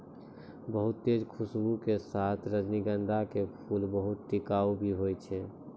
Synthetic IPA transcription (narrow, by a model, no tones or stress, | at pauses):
bəɦut̪ːed͡ʒkʰusbukesat̪ʰɾəd͡ʒniɡənd̪ʱakepʰulbəɦut̪ʈikaubʱiɦojt͡ʃʰɛ